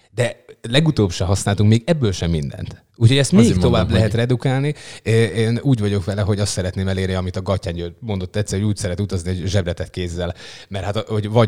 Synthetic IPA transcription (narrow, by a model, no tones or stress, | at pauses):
d̪ɛlɛɡut̪oːbʃɛɦɒsnaːlt̪uŋkmeːɡɛbːøːlʃɛmːind̪ɛ̰nt̪ | uːcʰho̞ɟɛst̪mɛeikt̪o̞vaːblɛɦɛt̪rɛd̪ukaːlnieeːnuːɟʋɒɟo̞kʋɛlɛɦo̞ɟɒst̪sɛɾɛt̪neːmɛleːrniɒmit̪ɒɡɒcːaːɲɟømo̞nd̪o̞t̪ːɛt̪sɛɾrhouːcsɛɾɛt̪ut̪ɒzniɛɟʒɛbrɛt̪ɛt̪keːzːɛl | mɛrhat̪ho̞ɟvɒ